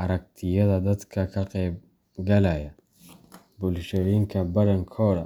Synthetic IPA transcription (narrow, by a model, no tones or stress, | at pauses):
ʔɐɾɐɡ̚t̪ʰɪjɐðɐd̪ɐd̪kʰɐkʰɐqɛːb | ɡɐlɐjɐ | bʊlʃɐɾiŋkʰɐbɐɽɐŋkʰɔɽɐ